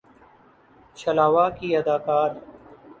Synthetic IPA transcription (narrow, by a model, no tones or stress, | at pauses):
t͡ʃʰəlaːʋaːkiːɐd̪aːkaːɾ